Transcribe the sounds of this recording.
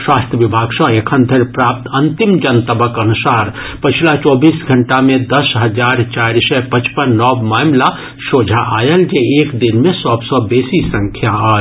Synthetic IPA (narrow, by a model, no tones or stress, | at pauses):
swast̪ʰjəʋibʱaɡsə̃ekʰənd̪ʱeɾpɾap̚t̪ənt̪imd͡ʒənt̪əbəkənusaɾ | pət͡ʃʰilat͡ʃɔbisɡʱəɳʈamed̪əsɦəd͡ʒaɾt͡ʃaɾsɛpət͡ʃpənːɔbmamla | sod͡ʒʱaʔajəld͡ʒeekd̪inmesɔbsə̃besisə̃ŋkʰjaə